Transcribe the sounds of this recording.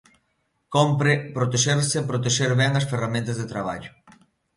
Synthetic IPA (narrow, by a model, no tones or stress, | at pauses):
kompɾɪpɾot̪eʃeɾsɪpɾot̪eʃeɾβɛŋɐsferamẽnt̪ɐzðet̪ɾaβa̰ʎʊ